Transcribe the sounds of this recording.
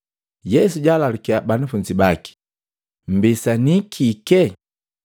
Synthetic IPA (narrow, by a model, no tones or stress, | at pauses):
jɛsuɟalalukiabanafund͡ʒibaki̥ | m̩bisanikʰikɛ